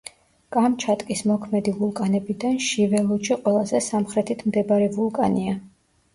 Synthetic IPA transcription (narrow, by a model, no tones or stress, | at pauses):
kʼamt͡ʃʰat̪ʼkʼismɔkʰmɛd̪ivulˠkʼanɛbid̪anʃivɛlˠut͡ʃiqʼwɛlˠazɛsamχɾɛt̪ʰit̪ʰmd̪ɛbaɾɛvulˠkʼania